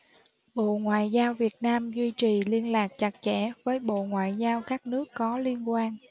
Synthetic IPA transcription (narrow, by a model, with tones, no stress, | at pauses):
ɓo̰˧˨ŋwa̰ː˧˨jzaː˧wvi˨˩ət̚naː˧mzwi˧t͡ɕi˨˩li˧ənlaː˨˩k̚t͡ɕa˨˩k̚t͡ɕɛ˧˩˨vəː˨˦jɓo̰˧˨ŋwa̰ː˧˨jzaː˧wkaː˦˥k̚nɨ˦˥əkːɔ˨˦li˧ənkwaː˧n